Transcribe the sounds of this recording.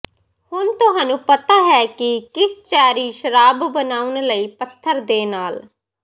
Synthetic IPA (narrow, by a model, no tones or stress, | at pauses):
hʊnt̪ʊɦaːnũːpət̪aːɦɛːkɪkɪst͡ʃaːɾiːʃəɾaːbbənaːʊnləiːpət̪ʰːəɾd̪eːnaːl